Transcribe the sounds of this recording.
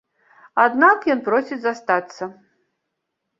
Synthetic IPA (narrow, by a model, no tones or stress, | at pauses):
ad̪nakjɔnpɾɔsʲit͡sʲzast̪at̪sːɐ